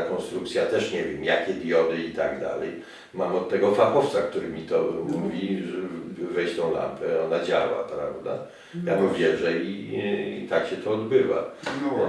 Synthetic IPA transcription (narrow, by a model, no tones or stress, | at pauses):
kɔnst̪ɾuk̚t̪sʲjat̪ɛʂɲɛvʲjɛmjakʲɛd̪jɔd̪ɘit̪aɡd̪a̰lɛ̰j | mamɔt̪ːɛɡɔflapɔft̪sak̚t̪uɾɘmʲit̪ɔmuvʲiʐɛvɛjt͡ɕt̪ɔ̃w̃la̰mpʰɛɔnad͡ʑawa̰pɾavd̪a̰ | jabuvʲjɛʐɛiḭt̪akɕɛt̪ɔːd̪bɘva̰